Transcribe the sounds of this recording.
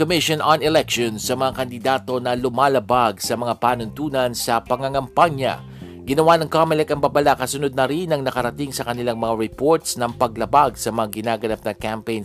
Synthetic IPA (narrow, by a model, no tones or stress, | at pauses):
komɪʃonɐnɛlɛkʃonsɐmɐŋakɐnd̪ɪd̪aːt̪o̞nɐlʊmaːlɐbaɡsɐmɐŋapaːnʊnt̪uːnɐnsɐpɐŋɐŋɐmpaɲjɐ̰ | ɡɪnɐwanɐŋkamɛlɛkɐŋbabɐlakɐsʊnʊd̪̚nɐɾinɐŋnɐkɐɾɐt̪iŋsɐkɐnɪlaŋmɐŋaɹɛpoɹt̪snɐŋpɐɡ̚lɐbaɡsɐmɐŋaɡɪnaːɡɐnap̚nɐkampejn